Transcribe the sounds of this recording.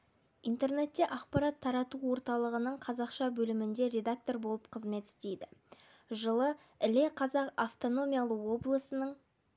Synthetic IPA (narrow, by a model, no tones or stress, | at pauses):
ijnt̪e̞rne̞t̪ːe̞ʔɑqpɑɾɑt̪ʰːɑɾɑt̪uwo̞ɾt̪ɑlˠəʁənəɴqʰɑzɑqʃɑbɵlɪmɪnd̪e̞ɾʲe̞d̪ak̚t̪o̞ɾbo̞lˠəp̚qʰəzme̞t̪ɪ̥st̪e̞jd̪ɪ | ʒəlˠə | ɪle̞qʰɑzɑqaft̪o̞no̞mʲijalˠəwo̞blˠəsənəɴ